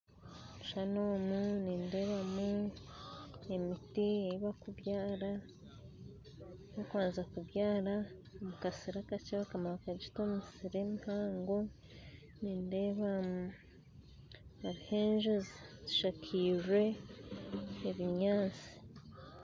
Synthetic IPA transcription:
uʃanoːmuniːnde̞ːβamu | emitieiβakuβjaːɾa | nokwaːnzakuβjaːɾa | omukasiɾakat͡ʃaβakamaβakad͡ʒitomisiɾemihaːŋɡo | niːnde̞ːβamu | aɾihe̞ːnʒozaziʃakʰiʒwe̞ | βiɲaːnt͡si̥

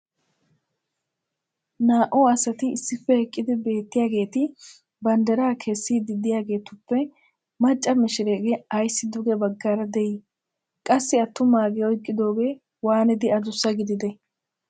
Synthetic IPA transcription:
naːʔɔɐsɐt̪ɪɪsːɪpːɛhɛkʼːɪd̪ɪbe̞ːt̪ːɪjaːɡe̞ːt̪ɪ | bɐnd̪ɐɾaːkʰɛsːiːd̪ɪd̪ɪjaːɡe̞ːt̪ʊpːɛ | mɐt͡ʃʼːɐmɪʃɪɾeːɡɛɐjsːɪd̪ʊɡɛbɐɡːaːɾɐd̪ɛjɪ | kʼɐsːɪɐt̪ːʊmaːɡɛɔjkʼːɪd̪o̞ːɡe̞ː | waːnɪd̪ɪɐd̪ʊsːɐɡɪd̪ɪd̪ɛ

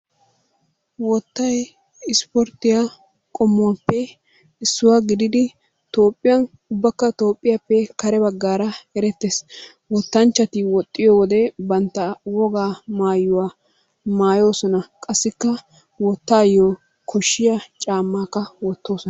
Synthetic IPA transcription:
wɔt̪ːɐj | ɪspɔɾt̪ɪja | kʼɔmːʊapːɛ | ɪsːʊwaɡɪd̪ɪd̪ɪ | t̪o̞ːpʼːɪjɐn | ʊbːɐkːɐt̪o̞ːpʼːɪjapːɛkɐɾɛbɐɡːaːɾɐɛɾɛt̪ːeːs | wɔt̪ːɐnt͡ʃːɐt̪ɪwɔt̪ʼːɪjɔwɔd̪ɛbɐnt̪ːɐwɔɡaːmaːjːʊwa | maːjo̞ːsɔnɐkʼɐsːɪkːɐ | wɔt̪ːaːjoː | kʰɔʃːɪjɐt͡ʃʼaːmːaːkːɐwɔt̪ːo̞ːsɔnɐ

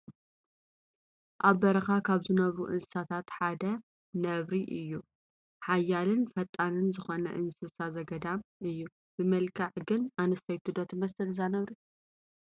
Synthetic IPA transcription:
ʔaβːɐɾɐxakʰaβzɨnɐβɾuʔɨnɨ̥sat̪ʰat̪ħad̪ɐ | nɐβɾiʔɨjːu | ħajːalɨnfɐt̪ʼːanɨnzɨxonɐ̰ʔɨnsɨsazɐɡɐd̪amɨjːu | b̥ɨmɐlkʰaʕɡɨnanɨst̪ʰɐjt̪ʰɨd̪ot̪mɐsɨlzanɐβɾi

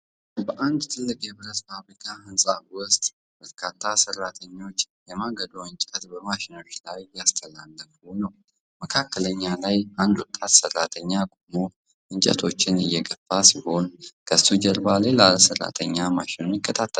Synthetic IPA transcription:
bəʔand̪t̪ʰɨlːɨkʼjɛβɨɾəsfaβlikʰahɨnsʼawʊst̪ʼ | b̥əɾkʰat̪ʰːasərːat̪ʰəɲːo̞t͡ʃː | jɛmaɡəd̪oɨnt͡ʃʼət̪bəmaʃɪno̞t͡ʃːlajjast̪ʰəlalːəfunəw | məkʰakːələɲːalajʔand̪wʊt̪ʼːat̪sərːat̪ʰəɲːakʼomo | ʔɨɲt͡ʃʼə̰t̪ʰo̞t͡ʃːɪnɨjːɛɡəfasiho̞nkʰəst̪ud͡ʒəɾbalelalsərːa̰t̪ʰəɲːamaʃɪnujɪkʰʼːət̪ʰat̪ʰːə

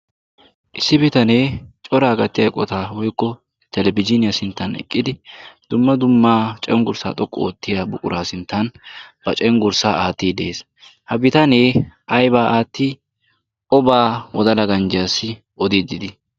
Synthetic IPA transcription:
ʔɪsːɪbɪt̪ɐneːt͡ʃʼɔɾaːɡɐt̪ːɪjɐkʼɔt̪aːwɔjkːɔ | t̪ɛlɛbɪd͡ʒɪnɪjasɪnt̪ːɐnɛ̰kʼːɪd̪ɪd̪̥ʊmːɐd̪ʊmːaːt͡ʃʼɛŋɡʊɾsa̰ːt̪ʼɔkʼːo̰ːt̪ːɪjabʊkʼʊɾaːsɪnt̪ːɐnbɐt͡ʃʼɛŋɡʊɾsaːʔaːt̪ːiːd̪eːs | hɐbɪt̪ɐneːʔɐjbaːʔaːt̪ːi | kɔbaːwɔd̪ɐlɐɡɐnd͡ʒɪjaːsːɪ | ʔɔd̪ɪd̪ɪd̪ɪ

